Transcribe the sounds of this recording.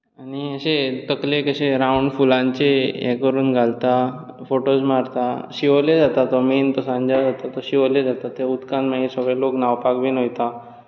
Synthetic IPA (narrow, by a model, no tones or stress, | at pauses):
aɽ̃iəɕet̪əklekəɕeɾauɳɖfulãɲt͡seɛ̰kəɾuːnɡʱalt̪a | foʈosmaɾt̪aɕiʋled͡zat̪at̪ɔment̪ɔsãɲd͡ʑad͡zat̪at̪ɔɕiʋled͡zat̪at̪eud̪kãnmaɦisəɡɭeloknawpakbiːnojt̪a